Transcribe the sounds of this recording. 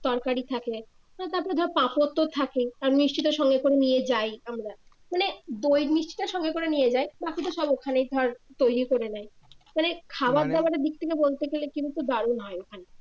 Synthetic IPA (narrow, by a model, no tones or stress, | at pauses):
t̪ɔɾkaɾit̪ʰake | manet̪aɾpɔɾed̪ʱɔɾpãpot̪ːot̪ʰakeaɾniʃt͡ɕit̪oʃɔŋɡekoɾenijed͡ʑajamɾa | maned̪ojɾniʃt͡ɕi̥t̪oʃɔŋɡekoɾenijed͡ʑajbakit̪̬oʃɔbokʰanejd̪ʱɔɾt̪ojɾikoɾenajmanekʰabaɾd̪ɛbaɾed̪ik̚t̪ʰekebolt̪eɡelekibut̪od̪aɾunɦɔeokʰane